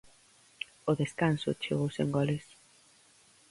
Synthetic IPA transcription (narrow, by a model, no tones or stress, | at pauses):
ʊðeskansʊ̰t͡ʃḛɣowsḛŋɡɔles